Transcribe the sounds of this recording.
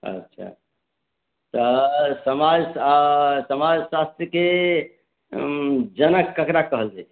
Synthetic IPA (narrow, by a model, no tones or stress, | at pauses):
ə̰tːʃʰa̰ | t̪əsəmad͡ʒasəmad͡ʒsast̪ɾəke | d͡ʒənəkːəkɾakəɦəld͡ʒa